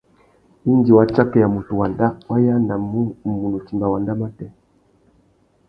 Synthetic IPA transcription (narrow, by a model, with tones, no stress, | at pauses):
i˦ndi˨wa˨t͡ʃa˦kɛ˨ja˨mu˨tu˨wa˨nda˦wa˦ja˦na˨˦˨mu˨nɔ˨t͡ʃi˨mba˨wa˨nda˦ma˦tɛ˦